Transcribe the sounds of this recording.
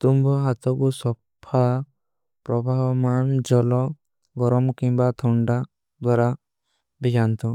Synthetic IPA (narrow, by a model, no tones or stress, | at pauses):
t̪umbɔɦat̪ɔkusɔ | pʰa | pɾɔbʱamand͡ʒɔlɔ | ɡɔɾɔmkimbat̪ʰɔɳɖa | d̪waɾa | biɡant̪ʰɔ